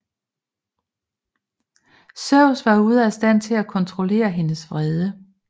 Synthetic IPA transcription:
sœʊ̰sʋɑ̈uð̞̩ˠæsd̥æn̰t͡sʰe̝lækʰɒ̽nt͡sʰʁo̝le̝̰ːɐɦe̝nəsʋʁɛð̞ˠə

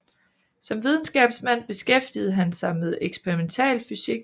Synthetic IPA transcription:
sɒ̽mʋið̞ˠn̩sɡ̥ɛ̰ːb̥smæn̰b̥e̝sɡ̥efd̥ið̩ˠɦænsɑ̈ɪmeð̞ˠeɡ̥sb̥eʁiment͡sʰɛ̰ːlfysiɡ̥

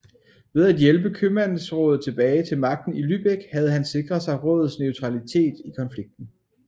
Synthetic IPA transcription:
ʋe̝ð̞ˠæd̥jelb̥əkʰømæn̰n̩sʁɔ̽ːð̩ˠt͡sʰe̝b̥ɛːɪt͡sʰe̝lmɑ̈ɡ̥̚d̥n̩ilyb̥eɡ̥hæð̞̩ˠɦænse̝ɡ̥ʁɐðˠsɑ̈ɪʁɔ̰̽ːðˠð̩ˠsnøʊt͡sʰʁɑ̈lit͡sʰe̝̰ːd̥ikʰɒ̽nfliɡ̥̚d̥n̩

